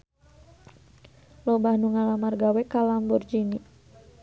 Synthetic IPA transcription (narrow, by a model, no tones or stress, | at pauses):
lobahnuŋalamarɡawɛkalambɔrd͡ʒini